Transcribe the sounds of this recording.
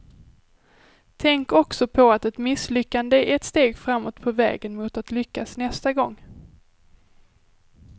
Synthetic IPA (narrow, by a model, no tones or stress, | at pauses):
t̪ʰɛŋkɔksɔpʰɔat̪ɛt̪mɪslʏkːand̪əæʔɛt̪st̪eːɡfɾamːoːt̪pʰɔvɛ̰ːɡənmʊːt̪at̪lʏkːasnɛst̪aɡɔŋː